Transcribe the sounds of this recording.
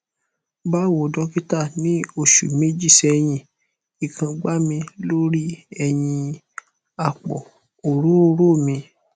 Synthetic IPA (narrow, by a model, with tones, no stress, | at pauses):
ba˦wo˨dɔ˦ki˦ta˦˨nĩ˨˦o˦˨ʃṵ˨me˦d͡ʒi˦˨sɛ˧j̃ĩ˧ | i˨kʰã˧ɡ͡ba˦mĩ˧lo˦ɾi˦ɛ˧j̃ĩ˧ | a˨k͡pɔ̰˨ | o˨ɾo˦o˧ɾo˦˨mĩ˧